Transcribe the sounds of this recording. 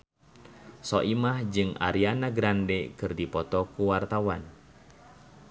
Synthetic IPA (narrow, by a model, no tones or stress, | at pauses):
sɔʔimahd͡ʒɨŋa̰ɾianaɡɾandɛkɨrdipɔt̪ɔkuwart̪awan